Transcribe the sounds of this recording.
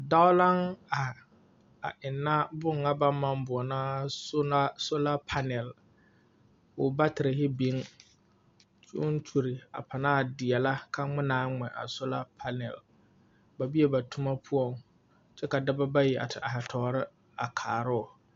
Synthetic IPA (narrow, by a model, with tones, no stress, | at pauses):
da˦ʊ˦la˦ŋa˨ | a̰˨ʔɪ˨nːa˦bʊ˦ŋːa˦ba˦mma˦mbʊ˨ɔ˨naː˦sʊ˦a˦so˦la˦pʰa˦nɛ˨l | ʊ˨ba˦tɪ˨ɾɪ˨ɦɪ˦bi˨˦ŋ | t͡ʃʊ˦ʊ˦n˦t͡ʃu˨ɾɪ˨a̰˨pʰa˨naː˦˨dɪ˨ɛ˨la˦ka˦ŋ͡mɪ˦naː˦ŋ͡mɛ˨ʔa̰˨sʊ˦la˦pʰa˦nɛ̰˨l | ba˨bi˦ɛ˨ba˨tʰʊ˦ma˦pʰʊ˦ɔ˨ŋ | t͡ʃɛ˦ka˨da˦ba˦ba˦ji˨ʔa̰˨tʰɪ˨ʔa˨ha˨tʰɔ˨˦ɾɪ˦ | a˨kʰaː˨ɾʊ˦˨